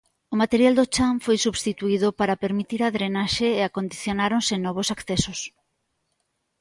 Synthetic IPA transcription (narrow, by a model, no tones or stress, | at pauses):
ʊmat̪eɾjald̪ot͡ʃaɱfojsuβst̪it̪uiðʊpaɾapeɾmit̪iɾaðɾenaʃeeakond̪iθjonaɾonsɪnɔβ̞osakθesos